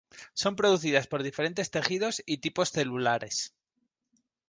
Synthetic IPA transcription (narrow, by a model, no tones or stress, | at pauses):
so̞mpɾo̞ðuθiðaspo̞ɾð̞ife̞ɾe̞nt̪e̞st̪e̞xiðo̞sit̪ipo̞sθe̞lulaɾe̞s